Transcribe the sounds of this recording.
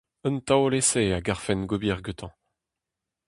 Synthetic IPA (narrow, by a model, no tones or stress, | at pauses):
ənt̪awleseaɡaʁfɛnɡobiʁɡøt̪ʰɑ̃